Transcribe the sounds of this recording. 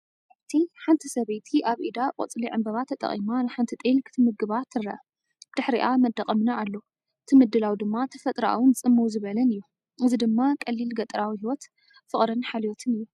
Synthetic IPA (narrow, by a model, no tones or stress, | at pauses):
aβt̪ʰiħant̪ʰisɐβejt̪ʰiʔaβʔid̪aqʼo̰t͡sʼliʕɨmbɐβat̪ʰːɐt̪ʼɐ̰χʼḭmanɨħant̪ʰit̪ʼelkʰɨ̥t̪ʰɨmɨɡɨβat̪ʰːɨrːɐʔɐ | bd̪̥ɨħɾiʔamɐd̪ːɐqʼɐmnaːlːo̞ | ɨt̪ʰɨmɨd̪ːɨlawd̪ɨmːat̪ʰɐfɐt̪ʼɾaʔa̰wɨnɨt͡sʼɨmːɐwzɨβɐlɐnɨjːu | ʔɨzid̪ɨmːakʼɐlːilɡɐt̪ʼɨɾawihiwɔt̪ | fɨχʼɾɨnħalijot̪ʰɨnɨjːu